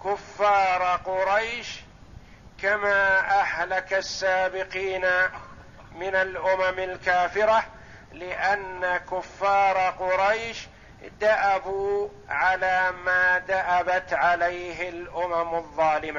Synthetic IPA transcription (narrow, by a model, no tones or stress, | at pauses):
kʊfːɑːɾˤqʊɾˤɑjʃ | kamaːʔahlakasːaːbɪqiːna | mɪnalʔʊmamalkaːfɪɾa | lɪʔanːakʊfːɑːɾˤɑqʊɾˤɑjʃ | d̪aʔabuː | ʕalaːmaːd̪aʔabat̪ʕalajɦɪlʔʊmamʊðˤːɑːlɪma